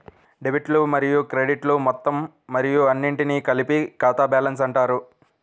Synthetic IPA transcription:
ɖebiʈlumɐɾijukɾeɖiʈlumɔt̪ːɐmː | ɐɾijuɐnːiɳʈinikɐlipikaːt̪aːbaːlɐns̬ɐɳʈaːɾu

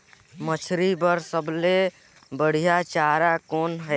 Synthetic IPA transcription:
mət͡ʃʰɾibəɾsəble | bəɽ̤ijat͡ʃaɾakoːnɦə

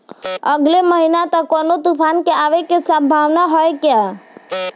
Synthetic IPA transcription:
əɡleməɦinat̪akɔnot̪upʰankeaʋekesãbʱaʋnaɦɔjkja

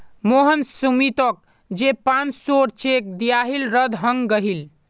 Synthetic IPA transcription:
moɦənsumit̪ək̚ | d͡ʒepãnt͡ʃsoɾt͡ʃek̚d̪ijaɦilɾəd̪ʱɦəŋɡɡəɦil

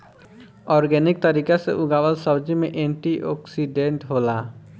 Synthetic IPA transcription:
ɔɾɡenik̚t̪əɾikasḛʔuɡawəlsəbd͡ʒimeʔeɳʈiʔɔksiɖeɳʈɦola

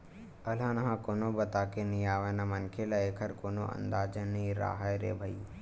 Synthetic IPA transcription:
əlãːnɐɦãːkoːnobət̪aːkenĩaːʋənamənkʰelaeːkʰəɾkoːno̰ʔə̰̃nd̪aːd͡ʒənĩɾa̰ːɦajɾḛːbʱəju

